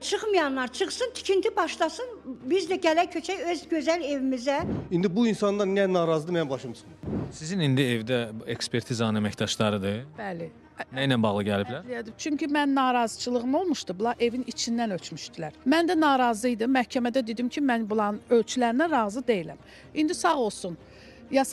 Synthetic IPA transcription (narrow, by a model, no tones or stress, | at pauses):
t͡ʃʰɯχmɯjɑnlːˠɑɾt͡ʃʰɯχsɯnt̪ʰi̥cʰint̪ʰibɑʃlˠɑsɯnbizlæɟælæcʰøt͡ʃʰæjøzɟøzæle̞vimizæind̪ibuinsɑnlˠɑɾnænɑːɾɑzɯd̪mjænbɑʃɯmsɯnsizinind̪ievd̪æekspʰe̞ɾt̪ʰizɑnnæmæçd̪ɑʃd̪ˠɑɾɯd̪ɯb̥æli | næjnænbɑʁlˠɯɟæliblælijæd̪it͡ʃʰyɲcʰymænːɑːɾɑzɯt͡ʃʰɯlˠɯʁɯmo̞lˠmuʃt̪ubulˠɑɾʔe̞vinit͡ʃʰind̪ænøt͡ʃʰmyʃd̪̥ilæɾmænd̪ænɑːɾɑzɯjd̪ɯmæhcʰæmæd̪æd̪ed̪imcʰimænbulˠɑnølt͡ʃʰylæɾinæɾɑːzɯd̪e̞jilæm | ind̪isɑʁo̞lˠsun | jɑs